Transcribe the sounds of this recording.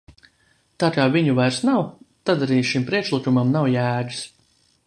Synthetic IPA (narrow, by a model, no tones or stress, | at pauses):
t̪aːkaːvʲiɲuvajɾsnawt̪ad̪aɾiːʃimpɾiɛkʃlˠɨkumamnawjæːɡ̪i̥s